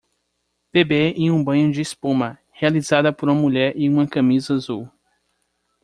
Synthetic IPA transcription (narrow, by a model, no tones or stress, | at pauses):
b̥ebeẽjũbɐ̃ɲʊd͡ʒɪːspõmɐ | healizad̪ɐpoɾũmɐmuʎɛɾĩũmɐkɐ̃mizɐazuw